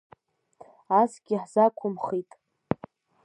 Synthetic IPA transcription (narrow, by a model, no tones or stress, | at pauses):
asɡʲɪħz̥akʷʰʊmχitʼ